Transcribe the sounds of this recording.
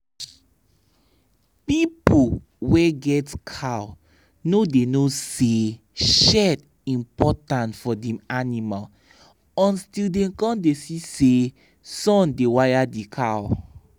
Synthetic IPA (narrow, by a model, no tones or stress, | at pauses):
pipu | wɛɡɛtkʰaw | nodenose | ʃɛd | ĩmpɔtãntfɔdɛ̃manimal | ɔ̃nstildɛ̃kɔ̃ndesise | sɔ̃ndewajadikʰaw